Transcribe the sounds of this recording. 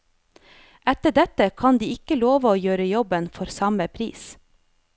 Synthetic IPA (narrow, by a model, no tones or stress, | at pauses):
ʔɛt̪əɖɛt̪əkʰɑnd̪iːɪkəloːʋəoːjøːɾəjɔbənfɔɾsɑməpʰɾḭːs